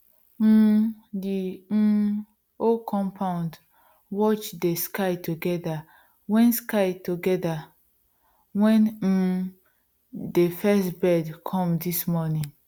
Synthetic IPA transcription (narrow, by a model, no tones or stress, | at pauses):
di | okʰɔ̃mpʰãʊ̃nd | wɔt͡ʃdeskaɪtʰuɡɛda | wɛ̃nskaɪtuɡɛda | wɛ̃n̩ | defɛstbɛdkʰɔ̃mdismɔnĩŋ